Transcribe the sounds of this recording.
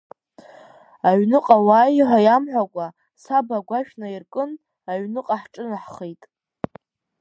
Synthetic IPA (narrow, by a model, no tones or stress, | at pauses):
aɥnɨqʼawaːjħʷajamħʷakʷʼa | sabaɡʷaʃᶣnairkʼɨn | aɥnɨqʼaħʈ͡ʂʼɨnaħχejtʼ